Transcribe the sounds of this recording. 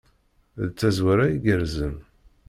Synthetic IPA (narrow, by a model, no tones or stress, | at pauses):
ðt͡sːæzwaɾaiɡəɾzən